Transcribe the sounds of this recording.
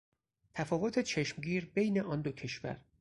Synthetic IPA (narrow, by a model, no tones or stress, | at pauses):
t̪ʰæfɒːvot̪ʰe̞t͡ʃʰe̞ʃmɟiːɾbe̞jne̞ʔɒːnd̪ocʰe̞ʃvæ̰ɾ